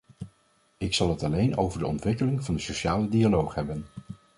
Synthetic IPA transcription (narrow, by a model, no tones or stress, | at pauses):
ɪksɑlˠɦətɑlejno̰wvəɹdəɔ̰ntʋɪkəlɪŋvɑndəsoʃaːlədialowχɦɛbən